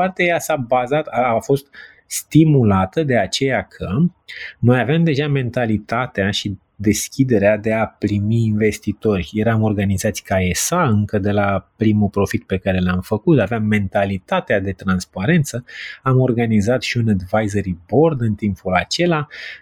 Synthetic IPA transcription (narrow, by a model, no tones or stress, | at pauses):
art̪eajjasabazat̪aːfo̞st̪̚ | st̪imulat̪əd̪e̞at͡ʃe̞jakʰə | no̞javeamd̪e̞ʒame̞nt̪alit̪at̪eaʃi | d̪e̞skʲid̪e̞ɾead̪e̞apɾimiːnve̞st̪it̪o̞rʲje̞ɾamo̞rɡanizat̪sʲkae̞saɨŋkəd̪e̞lapɾimupɾo̞fit̪̚pe̞kaɾe̞lamfəkut̪aveamːe̞nt̪alit̪at̪ead̪e̞t̪ɾanspaɾe̞nt̪səamo̞rɡanizat̪ʃiunəd̪vajzəɾibo̞rd̪ɨnt̪impulat͡ʃe̞la